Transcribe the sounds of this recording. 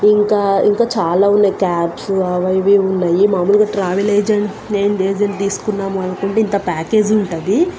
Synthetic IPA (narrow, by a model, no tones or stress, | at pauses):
iŋkaːiŋkaːt͡ʃaːlaːunːɐjkaːpsuaːʋɐjʋiunːɐjimaːmuːluɡaːʈɾaːʋileːd͡ʒɐɳ | neːnd̪eːd͡ʒɐnt̪̬iːsu̥kunːaːmuɐnukuɳʈeint̪ɐpaːke̞ːd͡ʒiuɳʈɐd̪i